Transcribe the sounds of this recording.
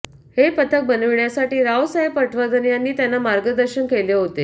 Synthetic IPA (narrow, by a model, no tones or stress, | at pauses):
hepət̪ʰək̚bənəʋiɳjasaʈiːɾaʋsaɦepəʈʰʋad̪ənjanːiːt̪janːamaɾɡəd̪əɾɕənkeleɦot̪e